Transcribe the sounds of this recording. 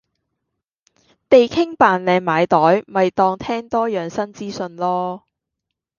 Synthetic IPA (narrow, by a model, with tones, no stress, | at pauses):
t̪e˨jkʰɪ˥ŋpaː˨nlɛː˨˧ŋmaː˨˧jt̪ɔː˨˥jmɐ˨jt̪ɔː˧ŋt̪ʰɛː˥ŋt̪ɔː˥jœː˨˩ŋsɐ˥nt͡siː˥sɵ˧nlɔː˥